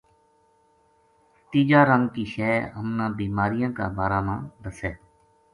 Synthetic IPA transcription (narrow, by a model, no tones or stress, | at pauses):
t̪iːd͡ʒaːɾəŋɡkiːʃɛːɦəmnãːbiːmaːɾɪjãːka̰ːbaːɾaːmãːɾəsɛː